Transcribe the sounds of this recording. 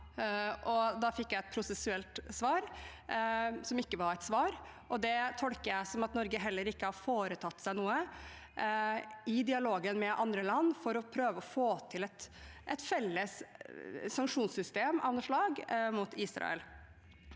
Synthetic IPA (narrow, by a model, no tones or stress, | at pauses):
ʔɔd̪ɑːfɪkːjæɪɛt̪̚pʰɾʊsɛsʉɛlt̪sʋɑːɾ | sɔmɪkːəʋɑɾæt̪sʋɑːɾ | ʔɔd̪ɛt̪ʰɔlkəjæɪsɔmɑt̪nɔɾɡəɦɛlːəɾɪkːəhɑɾfoːɾət̪ʰɑt̪ːsæɪnuːə | ɪd̪ɪɑloːɡənmɛʔɑnd̪ɾəlɑnːfɔɾɔpʰɾøːʋəɔfoːt̪ʰɪlɛt̪ʔɛt̪fɛlːəsː | ɑŋkʂuːnsʏst̪eːmɑʋnəʂɭɑːɡmʊt̪ʰiːsɾɑ̰ɛ̰l